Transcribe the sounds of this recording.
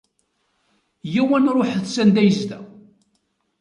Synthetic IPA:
jæwænɾˤoħəðθsænd̪æjəzd̪æ

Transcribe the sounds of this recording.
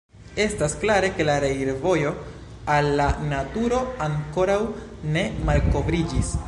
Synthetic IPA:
e̞stasklaɾe̞ke̞laɾeiɾvo̞jo̞ | alːanatuɾo̞aŋko̞ɾawne̞malko̞vɾid͡ʒis

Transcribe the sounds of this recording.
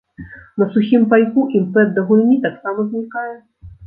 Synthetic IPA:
nɐsuxʲimpajkuʔimpɛd̪ːɐɣulʲnʲit̪aksamɐzʲnʲikajɛ

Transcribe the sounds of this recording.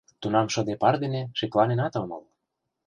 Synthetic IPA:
t̪unɑmʃɤ̆d̪epɑrd̪eneʃiklɑnenɑt̪ɤmɤ̰l

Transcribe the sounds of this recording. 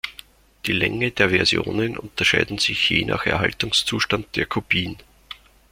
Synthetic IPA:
d̥iːlɛ̰ŋəd̥eːɐvɛɐzjo̰ːnənʔʊ̰̃ntɐʃaɪdn̩z̥ɪçjeːnʔa̰ːxɛ̰ɐɦaltʊŋst͡suːʃtand̚d̥eːɐkʰopʰiːn

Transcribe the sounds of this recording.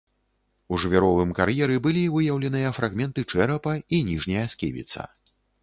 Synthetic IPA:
uʐvʲɛɾɔvɨmkaɾjɛɾɨbɨlʲivɨjɐwlʲɛn̪ɨjɐfɾaɣmʲɛnt̪ɨt͡ʂɛɾɐpɐinʲiʐnʲɐjɐsʲkʲḛvʲḭt̪sɐ̰

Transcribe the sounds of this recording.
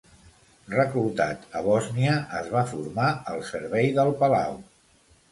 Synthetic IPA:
rəkulˠt̪at̪əβɔzniəʔəzβafuɾmaəlˠsəɾβɛjðəlˠpəlaw

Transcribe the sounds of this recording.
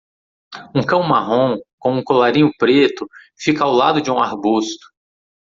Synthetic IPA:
ũkɐ̃w̃maɦõkõũkolaɾĩɲʊpɾet̪ʊ | fikɐawlad̪ʊd͡ʒɪũaɾbust̪ʊ̥

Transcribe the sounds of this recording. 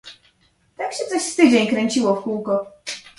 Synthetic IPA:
t̪akɕɛt̪sɔɕst̪ɘd͡ʑeɲkɾɛɲt͡ɕiwɔfkuwkɔ

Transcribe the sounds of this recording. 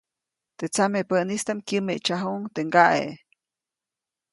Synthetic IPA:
t̪et͡samepənist̪amkʲimet͡ʃaɦuŋt̪eŋɡaʔḛʔ

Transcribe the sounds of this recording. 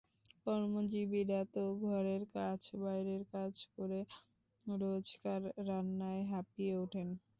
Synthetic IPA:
kɔɾmod͡ʑibiɾat̪oɡʱɔɾeɾkat͡ɕʰbajɾeɾkat͡ɕʰkoɾe | ɾod͡ʑkaɾːanːaeɦapieuʈʰen

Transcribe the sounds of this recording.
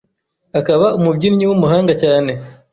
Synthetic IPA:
akaβaʔumubɟiɾɲiwumuɦaːŋɡacaːne̞

